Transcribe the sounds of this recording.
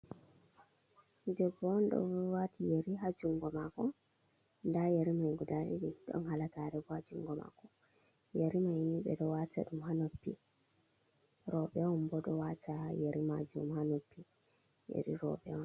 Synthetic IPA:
dɛɡɔnɗɔ̰watijeɾiɦad͡ʒuŋɡɔmakɔ | ndajeɾimajɡudaɗḭɗiɗɔ̰nhalakaɾɛɡɔhad͡ʒuŋɡɔma̰kɔ | jeɾimajniɓɛ̰ɗɔwata̰ɗumɦanopːḭ | ɾɔɓɛwɔmbɔɗɔwatajeɾima̰d͡ʒumhanopːi | jḛɾḭɾɔ̰ɓɛɔn

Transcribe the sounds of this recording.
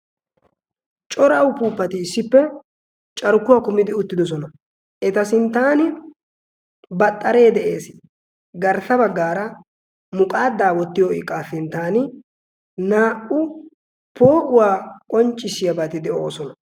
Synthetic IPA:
t͡ʃʼɔɾɐwpuːpːɐt̪ɪːsːɪpːɛ | t͡ʃʼɐɾʊkːʊwaːkʊmɪd̪ɪʊt̪ːɪd̪ɔs̬ɔnɐ | ʔɛt̪ɐsɪnt̪ːaːnɪ | bɐt̪ʼːɐɾe̞ːd̪ɛʔeːsɪ | ɡɐɾt̪ːɐbɐɡːaːɾɐ | mʊkʼaːd̪ːaːwɔt̪ːɪjoɪkʼːasɪnt̪aːnɪ | naːʔʊ | po̞ːʔʊwaːkʼɔnt͡ʃʼːɪsɪjɐbɐt̪ɪd̪ɛʔo̞ːsɔnɐ

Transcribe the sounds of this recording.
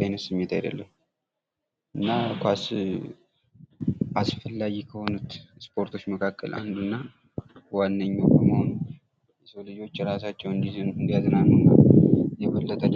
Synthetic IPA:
ajnət̪sɨmːet̪ʰajd̪ə̰lːəm | ɨnːakʰʷas | asfəlːaɡikʰəho̞nut̪spʰo̞ɾt̪ʰo̞t͡ʃːməkʰakːə̰lʔa̰nd̪unːa | wanːəɲːobəməhon | jsəwlɨd͡ʒo̞t͡ʃːɾasat͡ʃːɛwɨnd̪iɨnd̪iaznanunːajɛβəlːət̪ʼə

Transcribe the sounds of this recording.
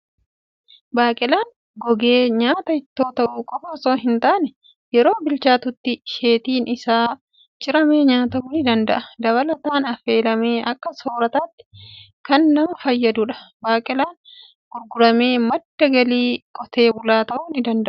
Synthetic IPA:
baːkʼɪlaːŋ | ɡɔɡe̞ːɲaːt̪ɐhɪt̪ːo̞ːt̪ɐʔuːkʼɔfɐsʼoːɦɪnt̪aːnɛ | jɛɾo̞ːbɪlt͡ʃaːt̪ʊt̪ːɪʃe̞ːt̪iːnʔɪsaː | t͡ʃʼɪɾɐmeːɲaːt̪ɐmnɪd̪ɐnd̪ɐʔɐd̪ɐβɐlɐt̪aːnɐfe̞ːlɐme̞ːʔɐkːɐsoːɾɐt̪aːt̪ːɪ̥ | kɐnːɐmɐfɐjːɐd̪ʊᶑɐ̥baːkʼɪlaːn | ɡʊɾɡʊɾɐme̞ːmɐd̪ːɐɡɐliːkʼɔt̪e̞ːbʊlaːt̪ɐʔuːnɪd̪ɐnd̪ɐʔʊ̥

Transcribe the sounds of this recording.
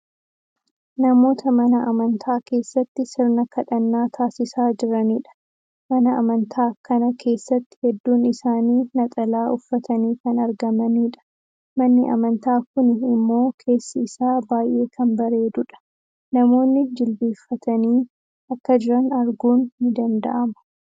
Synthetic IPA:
nɐmo̞ːt̪ʰɐmɐnɐʔɐmɐnt̪ʰaːke̞ːsːɐt̪ːɪsɪɾnɐkɐᶑɐnːaːt̪ʰaːsɪsaːd͡ʒɪɾɐniːᶑɐ̥ | mɐnɐʔɐmɐnt̪ʰaːkɐnɐkʰe̞ːsːɐt̪ːɪ̥hɛd̪ːuːnɪsaːniːnɐt̪ʼɐlaːʔʊfːɐt̪ʰɐniːkɐnɐɾɡɐmɐniːᶑɐ̥ | mɐnːɪʔɐ̰mɐnt̪aːkʊnɪmːo̞ːkʰe̞ːsːɐɪsaːbaːjʔe̞ːkʰɐnbɐɾe̞ːd̪ʊᶑɐ̥ | nɐmo̞ːnːɪd͡ʒɪlbiːfːɐt̪ʰɐniː | ɐkːɐd͡ʒɪɾɐnɐɾɡuːnːɪd̪ɐnd̪ɐ̰ʔɐmɐ̥

